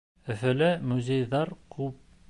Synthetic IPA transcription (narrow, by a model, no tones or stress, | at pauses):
ɵ̆fɘ̆lɘmuzʲejðɑɾkʰʉp̚